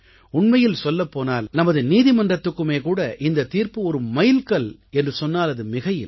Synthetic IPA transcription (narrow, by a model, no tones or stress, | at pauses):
ʊɳmɐjɪlsɔlːɐpːoːnaːlnɐmɐðɯniːðimɐndrɐt̪ːɯkːɯmeːkuːɽɐʔɪnd̪ɐt̪iːɾpɯɔɾɯmɐjɪlkɐɭɛndrɯsɔnːaːlɐðɯmɪɣɐjɪ̰l